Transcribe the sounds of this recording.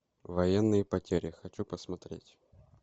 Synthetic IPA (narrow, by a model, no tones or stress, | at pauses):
vɐjɛnːɨjəpɐtʲeɾʲɪxɐt͡ɕupəsmɐt̪ɾʲḛtʲ